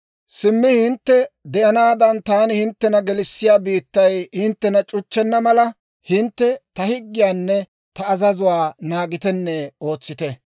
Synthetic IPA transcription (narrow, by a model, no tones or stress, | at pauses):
sɪmːɪhɪnt̪ːɛd̪ɛʔɐnaːd̪ɐnt̪aːnɪhɪnt̪ːɛnɐɡɛlɪsːɪjaːbiːt̪ːɐjhɪnt̪ːɛnɐt͡ʃʼʊt͡ʃːɛnːɐmɐlɐ | hɪnt̪ːɛt̪ɐhɪɡːɪjaːnːɛ | t̪ɐːzɐzʊwaːnaːɡɪt̪ɛnːɛo̞ːt͡sːɪt̪ɛ